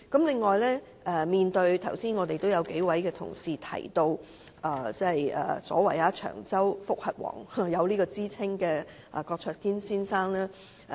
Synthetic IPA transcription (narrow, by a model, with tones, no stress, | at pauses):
kɐ˨˥mlɪ˨˧ŋːɔː˨jlɛː˥ | ʔɛː˨˩miː˨nt̪ɵ˧ɥt̪ʰɐ˨˩wsiː˥nŋɔː˨˧t̪e˨jt̪o˥wjɐ˨˧wke˨˥jwɐ˨˥jkɛː˧t̪ʰʊ̰˨˩ŋsiː˨t̪ʰɐ̰˨˩jt̪o˧w | ʔaː˨˩t͡sɛ˥˨jʔɛ̰ː˨˩sɔ̰ː˨˥wɐ˨˩jaː˧t͡ʃʰœ̰ː˨˩ŋt͡sɐ˥wfʊ˥k̚hɐ˨t̚wɔ̰ː˨˩ŋ˨jɐ˨˧wliː˥kɔː˧t͡siː˥t͡sʰɪ˥ŋkɛː˧ | ʔa̰˨kɔː˧k̚t͡sʰœː˧t̚kiː˥nsiː˥nsaː˥ŋlaː˥